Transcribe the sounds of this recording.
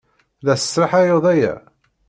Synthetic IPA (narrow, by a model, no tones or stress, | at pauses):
læsə̥sɾˤɑħæjoðˤæjæ̰